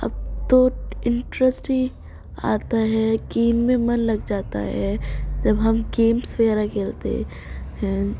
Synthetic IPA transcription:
ɐ̰b̚t̪oɪ̃ɳʈɾəsʈi | a̰ːt̪aɦɛɡeːmːẽmɐnlɐɡd͡ʒaːt̪a̰ɦɛd͡ʒɐbɦɐmɡeːmsweːɾakeːlt̪ḛ | ɦɛ̃ː

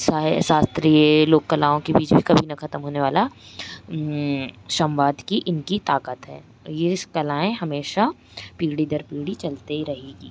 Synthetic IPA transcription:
sasaːst̪ɾiːəloːkːɐlaːõkebiːt͡ʃbʱikɐbʱinɐkɐt̪əmɦoːneʋaːla | ʃɐmʋaːd̪kiʔɪnkit̪aːkət̪ɦɛ̰ː | jeskɐlaːẽɦɐmeːʃa | piːɽid̪ɐɾpiːɽit͡ʃɐlt̪eɾɐɦeːɡiː

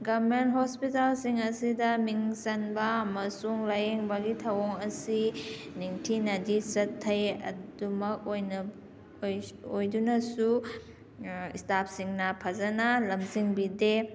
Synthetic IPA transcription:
ɡaɾment̚ɦospitalsiŋɐsidɐmiŋsɐnbɐːmɐsuŋlajeŋbɐɡitʰɐwoŋɐsiniŋtʰinɐdisɐtʰːɐjɐ̰dumɐkojn | ojdunɐsu | istap̚ʰsiŋnɐpʰazɐnalɐmziŋbide

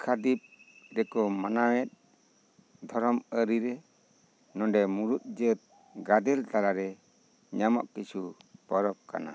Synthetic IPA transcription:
kʰad̪ip̚ | ɾɛkɔmanawɛt̪̚ | d̪ʱɔɾɔməɾiɾɛ | nɔɖɛmuɾut̪̚ˀd͡ʒət̪̚ | ɡad̪ɛlt̪aɾaɾɛ | ɲama̰ʔkisupɔɾɔp̚ka̰na̰

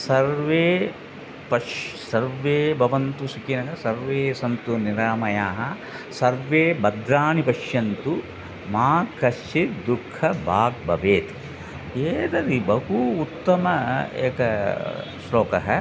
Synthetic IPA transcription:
sɐɾʋeː | pɐʃsɐɾʋeːbʱɐʋɐnt̪usikinɐkɐsɐɾʋeːsɐnt̪uniɾaːmɐjaːɦɐ | sɐɾʋeːbɐd̪ɾaːnipɐʃjɐnt̪u | maːkɐʃt͡ʃid̪ukʰːɐbʱaːɡ̚bʱɐʋeːt̪ | eːd̪ɐɾibɐɦuːt̪ːɐmɐḛːkɐ | sloːkɐɦɐ

